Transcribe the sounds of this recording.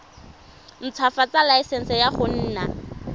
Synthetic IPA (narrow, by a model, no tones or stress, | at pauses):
n̩t͡sʰwafat͡salaisɛn̩sɛjaχʊn̩ːna